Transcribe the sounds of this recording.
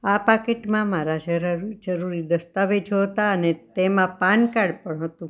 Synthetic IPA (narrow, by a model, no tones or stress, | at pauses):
apakeʈmãmaɾad͡ʒəɾɾd͡ʒəɾuɾid̪əst̪aʋed͡ʒɦot̪aənet̪emãpankaɽpəɳɦət̪ũ